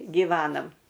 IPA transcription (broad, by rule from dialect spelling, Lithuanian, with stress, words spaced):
ɡʲɪˈʋʲæːnɐm